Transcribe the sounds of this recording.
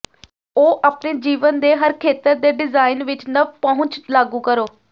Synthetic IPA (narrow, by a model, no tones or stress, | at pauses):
oːʔaːpneːd͡ʒiːʋənd̪eːɦəɾkʰeːt̪əɾd̪eːɖɪzaːɪnʋɪt͡ʃnəpəɦʊ̃t͡ʃlaːɡũːkəɾoː